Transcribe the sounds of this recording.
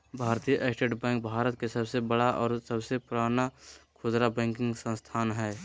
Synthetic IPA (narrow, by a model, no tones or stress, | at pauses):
bʱaːɾt̪ijʔesʈeːʈbɛ̃ːŋk̚bʱaːɾət̪̚kesɐbsebəɽaʔɔːɾsəbsepʊɾaːnakʰʊd̪ɾabɛ̃ːŋkɪ̃ŋɡsə̃nst̪ʰaːnɦɛː